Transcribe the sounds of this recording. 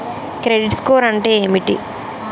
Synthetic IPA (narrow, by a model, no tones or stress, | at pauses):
kɾeɖiʈskoːɾɐɳʈeːeːmiʈḭ